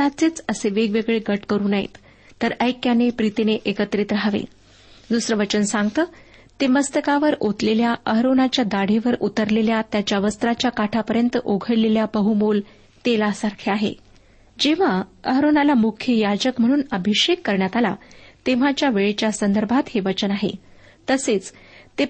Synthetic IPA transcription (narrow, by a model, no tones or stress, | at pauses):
at͡siːt͡səseʋeɡʋeɡɭeɡəʈkəɾuːnaɦḭt̪ | t̪əɾəjkjanepɾit̪eneʔekət̪ɾiːt̪ɾaɦʋḛ | d̪usɾəʋət͡ɕənsãŋɡt̪əː | t̪eməst̪əkaʋəɾot̪leljaʔəɦɾonat͡ɕjad̪aɽ̤iʋəɾut̪əɾleljat̪jat͡ɕjaʋəst̪ɾat͡ɕjakaʈʰapəɾjənt̪əʔoɡʱəɽleljabəɦumol | t̪elasaɾkʰeaɦḛ | d͡ʑeʋ̤aəɦɾonalamukʰjəjad͡ʑəkm̤əɽ̃uːnəbʱiɕekːəɾɳjat̪ala̰t̪eʋ̤at͡ɕjaʋeɭet͡ɕjasənd̪əɾbʱat̪heʋət͡ɕənaɦḛ | t̪əset͡st̪e